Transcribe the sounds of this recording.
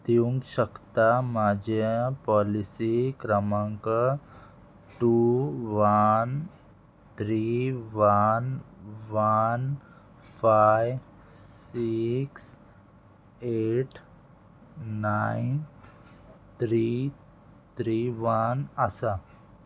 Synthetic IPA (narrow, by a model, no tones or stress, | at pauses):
t̪iũŋkɕəkt̪amad͡ʑepɔlisikɾəmãŋkə | ʈuʋan | t̪ʰɾiʋanʋan | fajʋ | siks | eʈ | ain | t̪ʰɾi | t̪ʰɾiʋanəsa